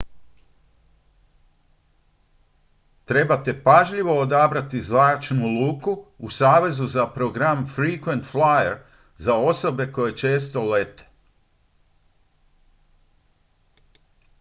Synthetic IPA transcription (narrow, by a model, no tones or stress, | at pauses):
t̪ɾe̞bat̪e̞paʒʎiʋo̞od̪abɾat̪izlaːt͡ʃnulˠuːkuusaːʋe̞zuzapɾo̞ɡɾamfɾikʋe̞nt̪flajeɾ | zao̞so̞be̞ko̞je̞t͡ʃe̞ːst̪o̞le̞t̪e̥